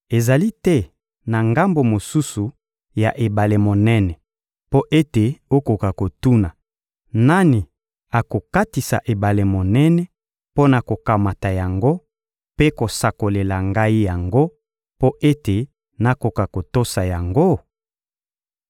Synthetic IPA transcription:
e˨za˨li˦tɛ˦ | na˨ŋɡa˦mbo˨mo˨su˦su˨ | ja˨ʔe˨ba˨le˨mo˨nɛ˦nɛ˨ | po˦ʔe˦te˨o˦ko˨ka˨ko˨tu˦na˨ | na˦ni˨ | a˨ko˨ka˦ti˨sa̰˨ʔe˨ba˨le˨mo˨nɛ˦nɛ˨ | po˦na˨ko˨ka˨ma˨ta˨ja˨ŋɡo˦ | pe˦ko˨sa˨ko˨le˨la˨ŋɡa˦i˦ja˨ŋɡo˦ | po˦ʔe˦te˨ | na˨ko˨ka˨ko˨to˦sa˨ja˨ŋɡo˦

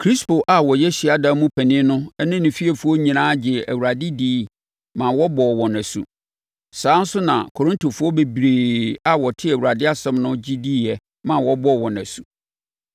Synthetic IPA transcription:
kʰɾi˦spo˨ʔa˨wɔ˨jɛ˦ɕi˨a˨dã˦mũ˦pʰæ˨nɪ̃˦nʊ̃˦ɛ˦nɪ̃˦nʊ̃˨fi˦ɛ˨fu˦ɔ˦ɲĩ˨nãː˦d͡ʑɪ˨æ̰˨wu˨ɾa˨dɪ˦diː˦ | mã˨wɔ˦bɔː˨wɔ̃˨næ̃˨sṵ˨ | sãː˨˦n̩˦sʊ˦nã̰˨kʰo˨ɾɪ̃˦ntʰo˨fʊ˦ɔ˦be˨bɾeː˨a˦wɔ˨tʰɪ˦æ˨wu˨ɾa˨dɪ˦a˦sɛ̃˦mnʊ̃˦d͡ʑi˦di˦ɛ˨ | mã˨wɔ˦bɔ˦wɔ̃˨næ̃˨su˦

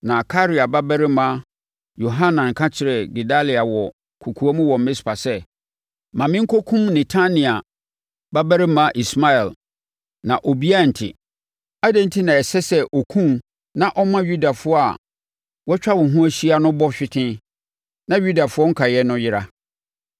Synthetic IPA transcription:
nã˨kʰa˦ɾi˨a˨ba˦bɛ˦ɾɪ˦mã˦ | jo˨ɦã˦nã˨ŋ̩˨kʰã˦t͡ɕʰɪ˨ɾɛ˨ɡi˨da˦li˨a˨wɔ˨ | kʰu˨kʰu˨a˦mʊ̃˦wɔ̃˨m̩˨mɪ̃˦spʰa˨sɛ˦ | mã˨mɪ̃˦ŋ̩˦kʰo˦kʰũ˦mnɪ̃˨tʰã˦nĩ˨a˨ | ba˦bæ˦ɾɪ˦mã˦ʔi˨sma˦ɛ˨l | nã˨ʔo˨bi˦a˦˨n̩˨tʰɪ̰˨ | a˦dɛ̃˦n̩˦tʰi˦nã˨ɛ˨sɛ˦sɛ˦ʔɔ˨kʰũ˦m | nã˦ʔɔ˦mã˦ɥu˦da˨fʊ˦ɔ˦a̰˨ | wɔ˦t͡ɕᶣa˦wʊ̃˨ɦʊ̃˦æ˦ɕi˦a˨nʊ̃˦bɔ˦ɕᶣɪ˦tʰɪ̃˦ | nã˦ɥu˦da˨fʊ˦ɔ˦ŋ̩˦kʰa˨jɛ˦nʊ̃˦jɪ˦ɾa˦

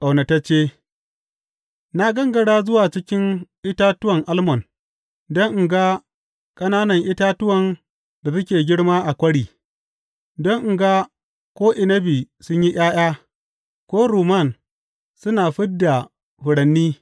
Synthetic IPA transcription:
ʔa˨wnɐ˨tɐ˦t͡ʃeː˦ | na˦ɡɐ˦ŋɡɐ˨ɽaː˦zʊ˦waː˨t͡ʃɪ˦kʲɪ˦ŋʔɪ˦ta˦tʊ˦wɐ˨ŋʔa˦lmɔ˨n | dɔ˦ŋʔɡa˦ | kʼɐ˦naː˦nɐ˨ŋʔɪ˦taː˦tʊ˦wɐ˨n | da˨sʊ˦kʲeː˨ɡʲɪ˦ɽmaː˦ʔa˨kʷɐ˦ɽiː˨ | dɔ˦ŋʔɡa˦ | kʷoː˦ʔɪ˨nɐ˦bi˨sʊ˦ɲji˦j̰aː˦j̰aː˦ | kʷoː˦ɾuː˨ma˦˨n | sʊ˦naː˨ɸɪ˦dːa˨ | hʊ˨ɽɐ˨nːiː˦

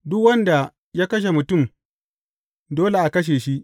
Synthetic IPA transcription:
dʊ˦kwɐ˦nda˨ | jaː˦kɐ˦ʃ̬e˨mʊ˨tʊ˦˨m | doː˦le˨ʔa˨kɐ˦ʃ̬eː˨ʃi˦ʔ

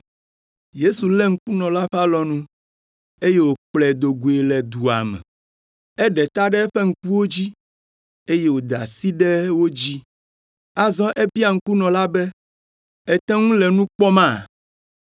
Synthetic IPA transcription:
je˦su˨lɛ˦ŋ̩˦ku˦nɔ̃˨la˦ɸa˦lɔ˦nũ˦ | e˦je˦wo˨k͡plɛ˨d̪o˨ɡu˨e˨lɛ˨d̪u˨a̰˨mɛ̰̃˨ | ɛ˦ɖɛ˨t̪a˦ɖɛ˦ɛ˦ɸɛ˦ŋ̩˦ku˦wo˦d͡ʑi˦ | e˦je˦wo˨d̪a̰˨si˦ɖɛ˦wo˦d͡ʑi˦ | a˦zɔ̃˦ʔɛ˦bi˦a˨ŋ̩˦ku˦nɔ̃˨la˦bɛ˦ | ɛ˦t̪ɛ̃˦ŋũ˦lɛ˨nũ˦k͡pɔ˦mã˦˨

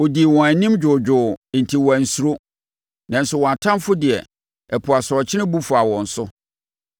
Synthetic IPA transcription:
o˨di˨wɔ̃˨æ˨nĩ˦md͡ʑᶣʊ˨d͡ʑᶣʊ˨n̩˨tʰi˨wɔ˨æ˨n̩˨su˦ɾo˦ | nã˨n̩˦sʊ˦˨wɔ̃˨a˨tʰã˦mfʊ˦dɪ˨ɛ̰˨ | ɛ˨pʰʊ˨a˨sɾɔ˨t͡ɕʰɪ̃˦ɪ̃˦bu˦fʊ˨a˨wɔ̃˨n̩˨sʊ˦

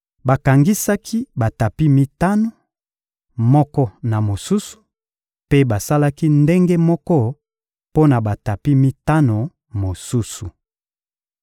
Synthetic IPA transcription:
ba˨ka˨ŋɡi˦sa˦kʰi˦ba˨ta˨pi˦mi˦ta˦no˨ | mɔ˦kɔ˦na˨mo˨su˦su̥˨ | pe˦ba˨sa˦la˦ki˦nde˦ŋɡe˦mɔ˦kɔ˦ | po˦na˨ba˨ta˨pi˦mi˦ta˦no˨ | mo˨su˦su˨

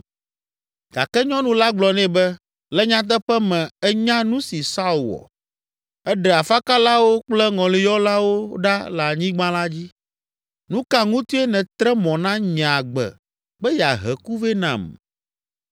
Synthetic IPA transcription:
ɡ̥a˨kɛ˦ɲɔ̃˦nũ˦la˦ɡ͡blɔ˨nɛ̃˦bɛ˦ | lɛ˦ɲã˦t̪̬ɛ˦ɸɛ˦mɛ̃˨ɛ˦ɲã˦nũ˦si˨sa˦u˨wɔ̰˨ | ɛ˦ɖɛ˨a˨fa˦ka˦la˦wo˦k͡plɛ˦ŋɔ̃˨li˨jɔ˦la˦wo˦ɖa˦la˨ɲĩ˦ɡ͡bã˦la˦d͡ʑi˦ | nũ˦ka˦ŋũ˦t̪u˦e˦nɛ̃˨t̪ɾɛ˦mɔ̃˨nã˦ɲ˨a˨ɡ͡bɛ̰˨ | bɛ˦jɛ˨a˨ɦɛ˨ku˦ve˦nã̰˨m

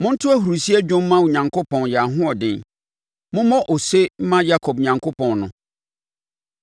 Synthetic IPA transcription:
mʊ̃˦n̩˦tʰʊ˦æ˦hu˨ɾu˨si˦æ˦d͡ʑᶣʊ̃˦m̩˦mã˦wu˨ɲã˨ŋkʰʊ˦pʰɔ̃˨njɛ˨a˨ɦʊ̃˦ɔ˨dɪ̃˦n | mʊ̃˦mɔ̃˦ʔo˨se˦m̩˦mã˦ja˦kʰɔ˨bɲã˨ŋkʰo˦pʰɔ̃˨nnʊ̃˨

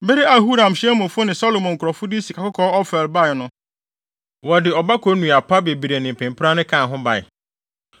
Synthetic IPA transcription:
be˦ɾi˦a˨ɦu˦ɾã˨mɕmʊ̃˨fʊ˦nɪ̃˨sɔ˦lo˨mɔ̃˨ŋ̩kʰʊ˨ɾɔ˨fʊ˦dɪ˦si˨kʰa˨kʊ˦kʰɔ˦ɔ˦fɛ˨lba˦ɪ˨nʊ̃˨ | wɔ˨dɪ˨ɔ˨ba˦kʰɔ˦nũ˨a˨pʰa˦be˨bi˨ɾe˨nɪ̃˨m̩˨pʰɪ̃˨mpʰɾa˦nɪ̃˦kʰã˦˨ɦʊ̃˦ba˨ɪ̰˨

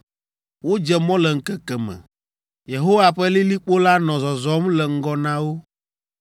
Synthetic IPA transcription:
wo˦d͡ʒɛ˦mɔ̃˦lɛ˨ŋ̩˨kɛ˨kɛ˨mɛ̰̃˨ | je˨ɦo˦wa˨ɸɛ˦li˦li˦k͡po˦la˦nɔ̃˨zɔ˨zɔ˦mlɛ˨ŋ̩˦ɡɔ˦nã˦wo˦

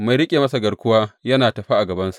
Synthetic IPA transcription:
ma˨jɾɪ˦kʲʼeː˨mɐ˦sa˨ɡɐ˨kʷʊ˦waː˦jɐ˦naː˨tɐ˨ɸa˦ʔa˨ɡɐ˨bɐ˦nsu̥˨ʔ

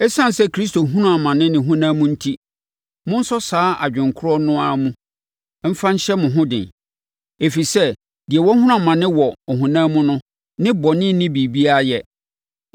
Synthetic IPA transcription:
ɛ˦sã˦˨n˨sɛ˦kʰɾi˦sto˨ɦũ˦nũ˦a˨mã˨nɪ̃˦nɪ̃˨ɦũ˦nãː˦mũ˦n̩˦tʰi˦ | mʊ̃˦n̩˦sɔ˦saː˨˦ʔa̰˨d͡ʑᶣɪ̃˨ŋkʰʊ˦ɾɔ˦nʊ̃˦a˦˨mũ˦ | m̩˦fã˦n̩˦ɕɛ˦mʊ̃˨ɦʊ̃˦dɪ̰̃˨n | e˨fi˨sɛ˦ | d̥ɪ˨ɛ˨wɔ˦hu˦ʊ̃˦a˨mã˨nɪ̃˦wɔ˨ɔ˨ɦũ˨nãː˦mʊ̃˦nʊ̃˦ | nɪ̃˦bɔ˨nɪ̃˦nɪ̃˦bi˨bi˦a˦jɛ˦˨

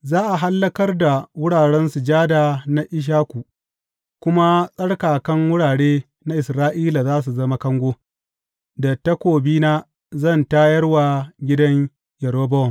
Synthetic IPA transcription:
zaː˦ʔa˨ɦa˦lːɐ˦kɐ˦rda˨wʊ˦ɽaː˨ɽɛ˦nsu˨d͡ʒaː˦daː˨na˦ʔɪ˦ʃ̬aː˦kʷu˨ | kʷʊ˦ma˦sʼɐ˦ɽkaː˨kɐ˦ŋwʊ˦ɽaː˨ɽeː˦ | na˦ʔɪ˨sɾaː˦ʔiː˦la˨zaː˦s̬u˨zɐ˦ma˦kɐ˦ŋɡʷoː˦ | da˨tːɐ˦kʷoː˨biː˦naː˦ | zɐ˦˨ntaː˦jɐ˦rwa˨ɡʲɪ˦dɐ˦ɲ | jɐ˨ɾo˦bɐ˦ɔ˨m

